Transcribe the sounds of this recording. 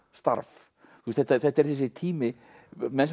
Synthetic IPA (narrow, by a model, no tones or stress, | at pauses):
st̪a̰ɾf | θwust̪θɛt̪ːaθɛht̪ːɛɾ̥θɛs̬ɪt̪ʰiːmɪ | mɛns